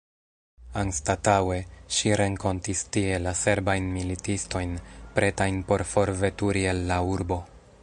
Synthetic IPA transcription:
anstatawe̞ʃiɾe̞ŋko̞ntistie̞lase̞ɾbajnmilitisto̞jnpɾe̞tajnpo̞ɾfo̞ɾve̞tuɾielːauɾbo̞

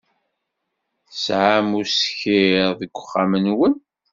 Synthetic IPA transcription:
sʕamusçiɾðəɡʷəχːamənwən

